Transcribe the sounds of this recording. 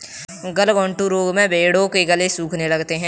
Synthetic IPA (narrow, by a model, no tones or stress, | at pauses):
ɡɐlɡɔ̃ːɳʈuɾoːɡmẽbeːɽõkeɡɐlesuːkʰnelɐɡt̪eɦɛ̃ː